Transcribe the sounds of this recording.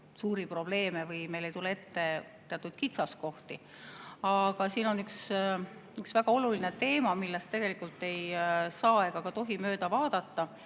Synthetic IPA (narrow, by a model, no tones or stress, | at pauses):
suːɾipro̞b̥le̞ːmevɯjme̞jle̞jt̪ulee̞t̪ːe̞ | t̪e̞ɑt̪ːˑud̪̥kit̪sɑsko̞ht̪i | ɑɡ̥ɑsiːno̞nyks | yksvæɡ̥ɑo̞lulinet̪e̞ːmɑmilːest̪t̪e̞ɡ̥e̞likːˑult̪ːe̞jsɑːeɡ̥ɑkɑt̪o̞ɦimø̞ːd̪̥ɑvɑːd̪̥ɑt̪ːɑ